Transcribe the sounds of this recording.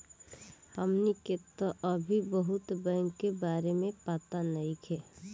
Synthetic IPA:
pəmniket̪oʔəbʱibəɦʊt̪bɛ̃ŋɡkebaːɾemẽpaːt̪anɐikʰɛː

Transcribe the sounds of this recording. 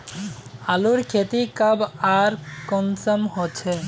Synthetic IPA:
aluɾkʰet̪ikabaɾkɔnsəmɦot͡ʃʰe

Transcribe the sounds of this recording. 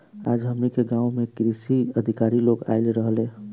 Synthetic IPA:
a̰d͡ʒɦəmɾikeɡãumekɾisiəd̪ʱikaɾiloɡa̰ɪlɾəɦlẽ

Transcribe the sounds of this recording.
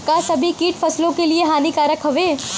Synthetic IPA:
kasɐbʱikiːʈfɐslõkelieɦaːnikaːɾəkɦɐʋeː

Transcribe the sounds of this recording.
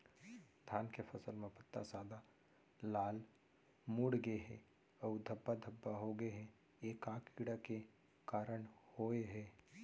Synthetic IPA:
d̪ʱjaːnkepʰəsəlmẽpət̪ːasaːd̪a | laːl | muːɽɡəeɦɛ̰̃ | ɔːd̪ʱəbːad̪ʱəbːaɦoɡəeɦɛ̃ | eːkaːkiɽake | kaːɾəɳhoːeɦɛː

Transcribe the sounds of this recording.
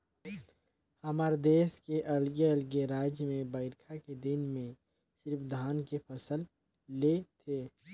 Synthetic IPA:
hɐmaːɾd̪eːskeʔɐlɡeəlɡeɾaːd͡ʒmẽbəɪɾkʰaked̪ɪnmẽ | sɪɾpʰd̪ʱaːnkepʰəsəl | let̪ʰeː

